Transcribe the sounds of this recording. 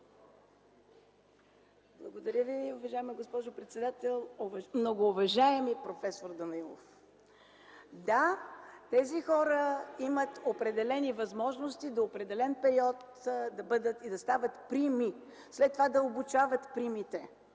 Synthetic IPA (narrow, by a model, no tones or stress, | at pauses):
blˠɐɡod̪ɐɾʲjəviʊvɐʒaɛmiɡospɔʒopɾɛt̪sɛd̪at̪ɛlˠovmnoɡoːvɐʒaɛmipɾofɛsoɾd̪ɐnɐilˠo̰f | d̪at̪ɛzixɔɾəimət̪opɾɛd̪ɛlɛnivɐzmɔʒnost̪id̪oːpɾɛd̪ɛlɛnpɛɾiɔt̪ | d̪ɐbɤd̪ət̪id̪ɐst̪avət̪pɾimi | slɛt̪ːovad̪ɐobut͡ʃavət̪pɾimit̪ɛ